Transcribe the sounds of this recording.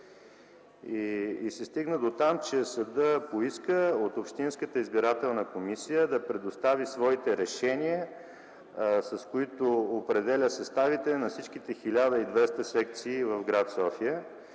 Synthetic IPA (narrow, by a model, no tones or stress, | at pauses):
iːsɛst̪iɡnəd̪ot̪amt͡ʃɛsəd̪əpoiskəot̪opʃt̪inskət̪əizbiɾat̪ɛlˠnəkomisijəd̪ɐpɾɛd̪ost̪avisvɔit̪ɛɾɛʃɛniə | sɐskoit̪oːpɾɛd̪ɛlʲəsɐst̪avit̪ɛnɐfsit͡ʃk̟it̪ɛxilʲad̪əid̪vɛst̪əsɛk̚t̪siːvəvɡɾat̪sɔfijə